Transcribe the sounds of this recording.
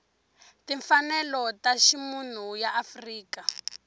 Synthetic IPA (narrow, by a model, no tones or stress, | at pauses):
tiɱfanɛlɔtaʃimun̤ujaʔafriːka